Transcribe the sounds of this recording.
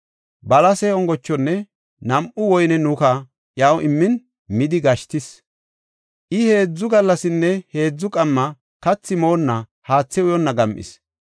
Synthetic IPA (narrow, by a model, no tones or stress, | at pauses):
bɐlɐsɛɔŋɡɔt͡ʃːɔnːɛ | nɐmʔʊwɔjnɛnʊkɐ | ʔjɐwʔɪmːɪn | mɪd̪ɪɡɐʃt̪ɪs | ʔɪhe̞ːd͡zːʊɡɐlːɐsɪnːɛhe̞ːd͡zːʊkʼɐmːɐ | kɐt͡sːɪmo̞ːnːɐhaːt͡sːɛʊjɔnːɐɡɐmʔɪ̰s